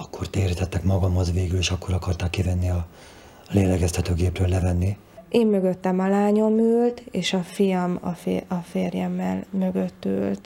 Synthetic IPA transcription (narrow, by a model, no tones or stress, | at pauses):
ɒkːo̞rt̪eːɾit̪ɛt̪ːɛkmɒɡɒmhozveːɡyleːʃɒkːo̞ɾɒkɒrt̪aːkːivɛnːiɒ | leːlɛɡɛst̪ʰɛt̪øːɡeːprøːlːɛvɛnːi | ʔeːmːø̞ɡø̞t̪ːɛmɒlaːɲo̞myːlt̪eːʃɒfijɒmɒ̰feɒfeːrjɛmːɛ̰lmø̞ɡøt̪ːy̰ːlt̪